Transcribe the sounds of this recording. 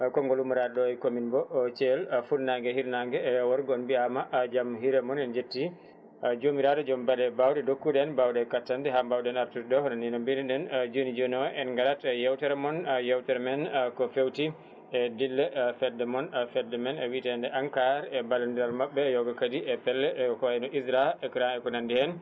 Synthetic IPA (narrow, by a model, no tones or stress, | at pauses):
kɔŋɡɔlumuɾadɗɔɛkominbɔt͡ʃɛlfuɾnaŋɡɛhiɾnaŋɡɛːwɔɾɡɔnbiamad͡ʒamɦiɾɛmɔnɛnd͡ʒetːi | d͡ʒomiɾadɔd͡ʒɔmbalɛbawdɛdokːuɗɛnbawdɛkatːantɛɦambawdɛnaɾtutdɔhɔnɔninɔmbiniɗɛnd͡ʒonid͡ʒonɔʔɛnŋɡaɾatɛjɛwtɛɾɛmɔnjɛwtɛɾmɛnkɔfewti | ɛdilːɛfɛdːɛmɔnfɛdːɛmɛnɛwitɛndɛʔaŋkaɾɛbalandiɾalmaɓːɛːjɔɡɔkadiʔɛpɛlːɛʔkɔɛnɔʔisɾaɛkɾanɛkɔnandihɛn